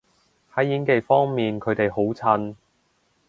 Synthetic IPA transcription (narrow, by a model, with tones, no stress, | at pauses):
hɐ˨˥jjiː˨˥nke˨jfɔː˥ŋmiː˨nkʰɵ˨˧ɥt̪e˨jɦo˨˥wt͡sʰɐ˧n